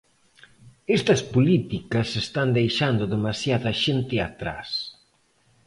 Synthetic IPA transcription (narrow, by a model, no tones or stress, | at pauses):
est̪ɐspolit̪ikɐsest̪and̪ejʃand̪ʊðemasjaðɐʃent̪ɪa̰t̪ɾa̰s